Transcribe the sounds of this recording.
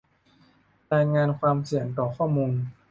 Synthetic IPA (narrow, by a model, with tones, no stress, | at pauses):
ɾaː˧jŋaː˧nkʰwaː˧msi˨˩˦əŋt̪ɔː˨˩kʰɔː˥˩muː˧n